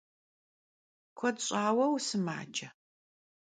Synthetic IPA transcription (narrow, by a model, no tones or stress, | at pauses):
kʷʰɔdɕʼaːwɐwsɨma̰ːd͡ʒɐ